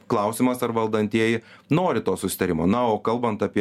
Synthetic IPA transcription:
klˠɐʊsʲɪmɐsɐɾʋɐlˠd̪ɐnʲt̪ʲiɛjɪ | noːɾʲɪt̪oːsʊsʲɪ̥t̪ɐɾʲɪmo̰ːnɐoːkɐlˠbɐnt̪ɐpʲiɛ

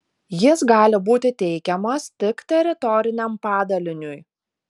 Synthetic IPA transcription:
jɪsɡɑːlʲɪbuːt̪ʲɪt̪ʲɛɪkʲɛmɐst̪ʲɪkt̪ʲɛɾʲɪt̪ɔɾʲɪnʲɛmpɑːd̪ɐlʲɪnʲʊj

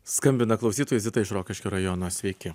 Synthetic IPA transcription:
skɐmʲbʲɪnɐklˠɒʊsʲiːt̪oːjɛzʲɪt̪ɐɪʃɾoːkʲɪʃʲkʲoːɾɐjɔnoːsʲʋʲɛɪkʲɪ

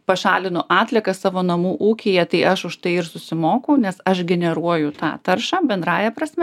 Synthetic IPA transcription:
pɐʃɑːlʲɪnʊʔɑːt̪ʲlʲɛkɐssɑːʋoːnɐmuːʔuːkʲejɛt̪ɐɪʔɐʃʊʃt̪ɐɪɪrsʊsʲɪmoːkɐʊnʲɛsɐʃɡʲɛnʲɛɾuɔjʊt̪ɑ̰ːt̪ɐrʃɑːbʲɛnd̪ɾɑːjɛpɾɐsʲmʲɛ

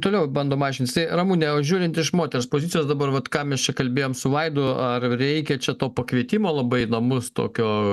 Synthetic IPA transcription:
t̪oːlʲɛʊbɐnd̪oːmɑːʒʲɪnt̪ʲɪst̪ɐɪrɐmuːnʲɛʒʲuːɾʲɪnt̪ʲɪʃmoːt̪ʲɛɾspoːzʲɪt̪t͡sʲɪjoːsd̪ɐbɐrʋɐt̪kɑːmʲɛst͡ʃʲɛkɐlʲbʲeːjoːmsʊʋɐɪd̪ʊɐrɾʲɛɪkʲɛt͡ʃʲɛt̪oːpɐkʋʲiɛt̪ʲimoːlˠɐbɐɪnɐmʊst̪o̰ːkʲoː

